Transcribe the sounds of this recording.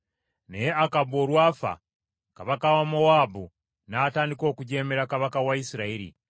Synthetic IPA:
nejeakabo̞ːɾwaːfa̰ | kaβakawamoaːbu | naːtaːndiko̞ːkuɟe̞ːmeɾakaβakawaisiɾaiɾḭ

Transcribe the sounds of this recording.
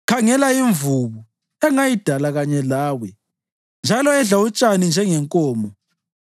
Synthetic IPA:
kʰaŋɛlaiɱvuβu | ɛŋajid̥ʱalaɣaɲɛlaːwɛ | nd͡ʒʱalɔɛɮaut͡ʃʼanind͡ʒʱɛŋɛŋkʼɔːmɔ

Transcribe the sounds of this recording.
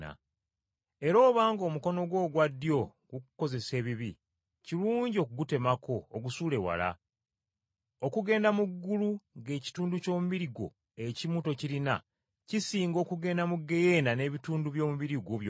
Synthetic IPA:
a̰ | e̞ɾo̞ːβaːŋɡo̞muko̞no̞ɡwo̞ːɡwadːjo̞ɡ̥ukuko̞ze̞se̞ːβiβi | ciluːɲɟio̞kuɡute̞makʰo̞ːɡusuːle̞wa̰la̰ | okuɡe̞ːndamuɡːuluŋɡe̞ːci̥tuːnduco̞ːmuβiɾiɡo̞̰ | e̞cimuto̞cilina̰ | cisiːŋɡo̞ːkuɡe̞ːndamuɡe̞je̞ːndane̞ːβituːnduβjo̞ːmuβiɾiɡoβj

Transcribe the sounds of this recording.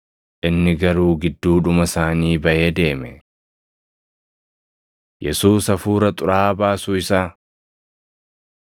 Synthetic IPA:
ʔɪnːɪɡɐɾuːɡɪd̪ːuːᶑʊmɐsaːniːbɐʔe̞ːd̪e̞ːmɛ | jʔɛsuːsɐfuːɾɐt̪ʼʊɾaːbaːsuːɪsaː

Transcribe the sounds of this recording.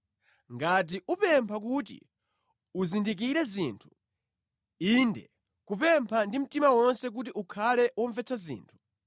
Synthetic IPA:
ŋɡat̬iʔupɛmpʰak̬ut̬ḭ | uzindik̬iɾɛziːntʰu̥ | indɛ̰ | kupɛmpʰandim̩timawɔnsɛk̬ut̬iʔukʰalɛwɔɱvɛt͡sʰazḭːntʰu̥

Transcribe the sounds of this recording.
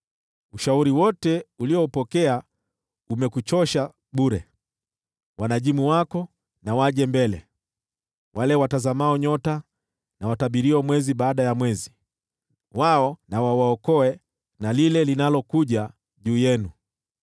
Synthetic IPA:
uʃauɾiwɔtɛuliɔupɔkɛa | umɛkut͡ʃɔʃa | ɓuɾɛ | wanaʄimuwakɔ | nawaʄɛmbɛlɛ̰ | wʔalɛwatazamaɔɲɔta | nawataɓiɾiɔmwɛziɓaːɗajamwɛzi | waɔnawawaɔkɔɛ | nalilɛlinalɔkuʄa | ʄuːjɛnu

